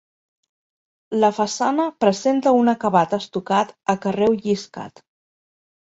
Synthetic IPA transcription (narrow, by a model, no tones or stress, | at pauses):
ləfəsanəpɾəzent̪əunəkəβat̪əst̪ukat̪əkərɛwʎiska̰t̪